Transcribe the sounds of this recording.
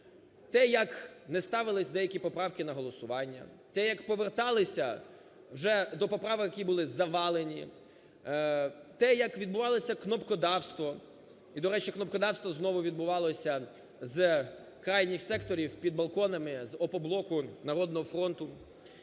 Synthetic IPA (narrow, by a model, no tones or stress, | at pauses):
t̪ɛjɐknɛst̪ɑʋɪlˠɪsʲd̪ɛjɐkʲipɔpɾɑwkɪnɐɦɔlˠɔsʊʋɑnʲːɐ̰t̪ɛjɐkpɔʋert̪ɑlˠɪsʲɐ | wʒɛd̪ɔpɔpɾɑʋɪkjɐkʲibʊlˠɪzɐʋɑlˠenʲḭ | t̪ɛjɐkʋʲid̪bʊʋɑlˠɔsʲɐknɔpkɔd̪ɑwst̪ʋɔ | id̪ɔɾɛt͡ʃiknɔpkɔd̪ɑwst̪ʋɔznɔʋʊʋʲid̪̚bʊʋɑlˠɔsʲɐ | z | kɾɑjnʲɪxsɛkt̪ɔɾʲiwpʲid̪̚bɐlˠkɔnɐmɪzɔpɔblˠɔkʊnɐɾɔd̪nɔɦɔfɾɔnt̪ʊ